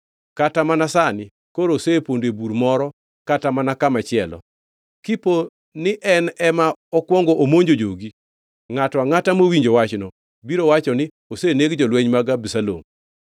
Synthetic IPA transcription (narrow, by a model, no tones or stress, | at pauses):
katamanasanɪ | koɾosepondebuɾmɔɾɔ | katamanakamat͡ʃɪɛlɔ̰ | kipo | nɪʔɛnɛmaɔkwɔŋɡoʔomoɲd͡ʒod͡ʒoɡi | ŋatɔaŋatamowiɲd͡ʒowat͡ʃnɔ | biɾowat͡ʃɔnɪ | oseneɡd͡ʒɔlweɲmaɡabisalo̰m